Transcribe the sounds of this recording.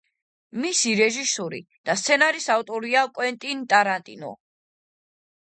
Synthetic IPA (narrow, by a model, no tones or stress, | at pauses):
misiɾɛʒisɔɾḭ | d̪̥ast̪sʰɛnaɾisavt̪ʼɔɾiakʼwɛnt̪ʼint̪ʼaɾant̪ʼḭnɔ̰